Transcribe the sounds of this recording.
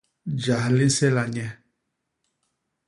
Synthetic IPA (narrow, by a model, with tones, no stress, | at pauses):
d͡ʒa˨hli˦n˦sɛ˦la˨ɲɛ˦